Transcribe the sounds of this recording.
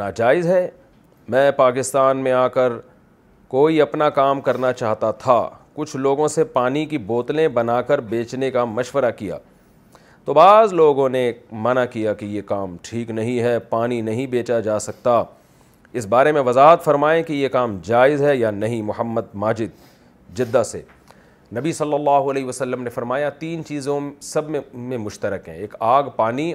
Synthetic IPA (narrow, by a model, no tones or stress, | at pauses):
naːd͡ʒaːɪzɦɛ | mɛ̃ːpaːkɪst̪aːnmẽaːkəɾ | koːiɐpnakaːmkɐɾnat͡ʃaːɦt̪at̪ʰakʊt͡ʃʰloːɡõsepaːnikiboːt̪lẽbɐnaːkɐɾbeːt͡ʃnekamɐʃwəɾakija̰ː | t̪oːbaːzloːɡõnemɐnakijakijekaːmʈʰiːknɐɦĩɦɛpaːninɐɦĩbeːt͡ʃad͡ʒaːsɐk̚t̪a | ɪsbaːɾemẽʋɐzaːɦət̪fɐɾmaːẽkijekaːmd͡ʒaːɪzɦɛjanɐɦĩmʊhəmːəd̪maːd͡ʒɪd̪̚ | d͡ʒɪd̪ːasḛ | nɐbisɐlːəlːaːɦuɐleːɦʋɐsɐlːəmnefɐɾmaːjat̪iːnt͡ʃiːzõsɐbmẽmẽmʊʃt̪əɾəkɦɛ̰̃eːkaːɡpaːni